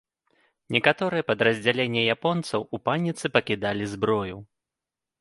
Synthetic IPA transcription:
nʲɛkat̪ɔɾɨjɛpɐd̪ɾɐzʲd͡zʲalʲenʲːɛjapɔnt̪sɐwupanʲːit̪sɨpɐkʲid̪alʲizbɾɔju

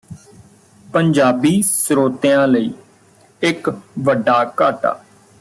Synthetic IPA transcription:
pəɲd͡ʒaːbiːsɾoːt̪ejãːləiː | ɪkʋəɖːaːkaːʈa̰ː

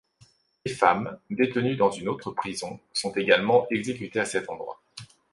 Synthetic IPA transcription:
lefamd̪et̪ənyd̪ɑ̃zynot̪χəpχizɔ̃sɔ̃t̪eɡalmɑ̃ʔɛɡzekʲyt̪easɛt̪ɑ̃d̪ʁwa̰

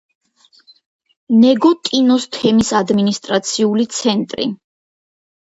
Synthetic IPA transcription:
nɛɡɔt̪ʼinɔst̪ʰɛmisad̪minist̪ʼɾat̪sʰiulit̪sʰɛnt̪ʼɾḭ

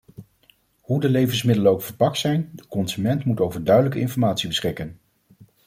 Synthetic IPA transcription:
hudəlejvənsmɪdələowkfəɹpɑk̚tsɛjndəkɔnzymɛntmutowvəɹdœɥdələkəɪnfɔɹmaːtsibəsχɪkən

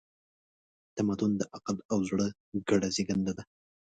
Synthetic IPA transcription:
t̪amad̪ʊnd̪əʔaqalawzɽə | ɡaɽazeɡand̪ad̪a

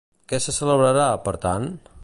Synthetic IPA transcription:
kɛsəsələβɾəɾapəɾt̪an

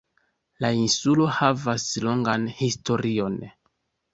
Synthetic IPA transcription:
lainsulo̞havaslo̞ŋɡanhisto̞ɾio̞n

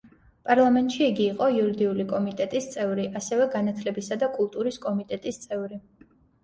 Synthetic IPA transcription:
pʼaɾlˠamɛnt̪ʼʃiːɡiːqʼɔiuɾid̪iulikʼɔmit̪ʼɛt̪ʼist̪sʼɛvɾiʔasɛvɛɡanat̪ʰlɛbisad̪akʼulˠt̪ʼuɾiskʼɔmit̪ʼɛt̪ʼist̪sʼɛvɾi

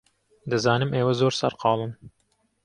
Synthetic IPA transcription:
d̪ɨzɑːnɨmeːwɐzoːɾsɐ̰ɾqʰɑːlˠɨn

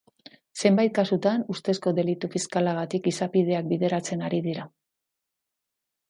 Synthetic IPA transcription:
se̞mbajt̪̚kasut̪anust̪e̞sko̞ðe̞lit̪ufiskalaɣ̞at̪ikisapið̞e̞ak̚biðe̞ɾat͡se̞naɾiðiɾa

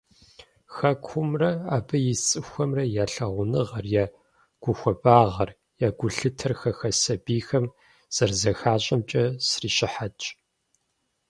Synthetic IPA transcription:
xɐkʷʰʊmrɐaːbɐjɪt͡sʼɨxʷɐmrɐjaːɬɐʁʷʊnɨʁɐrjaː | ɡ̥ʷʊxʷɐbaːʁɐr | jaːɡʷʊɬɨtʰɐrxɐxɐsɐbiːxɐm | z̥ɐrzɐxaːɕʼɐmt͡ʃʼɐsriːɕɪħat͡ʃʼ

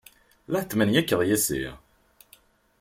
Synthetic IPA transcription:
læt͡s̪ːmænjækːəðjæsḭ

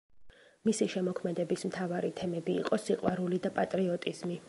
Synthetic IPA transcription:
misiʃɛmɔkʰmɛd̪ɛbismt̪ʰavaɾit̪ʰɛmɛbḭːqʼɔsiqʼwaɾulid̪apʼat̪ʼɾiɔt̪ʼizmi

